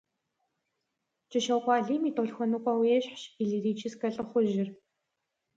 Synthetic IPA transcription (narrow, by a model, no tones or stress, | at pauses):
t͡ʃʼɪʃɐwkʷʼɑːɮiːmiːtʼoɮxʷɔnukʷʼaweːɕħɕiɮiriːt͡ʃʰiskɐɬʼɨχʷʊʒɪr